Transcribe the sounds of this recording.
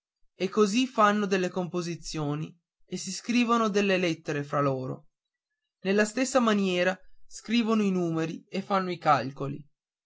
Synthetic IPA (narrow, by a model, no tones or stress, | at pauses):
ekːozifanːod̪elːekompozit̪sːjoːni | esiskɾiːvonod̪elːelet̪ːeɾefɾaloːɾo̰ | nelːast̪esːamanjɛːɾaskɾiːvonoinuːmeɾiefːanːoikalkolḭ